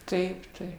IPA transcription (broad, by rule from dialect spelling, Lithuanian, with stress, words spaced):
ˈtɐɪp ˈtɐɪp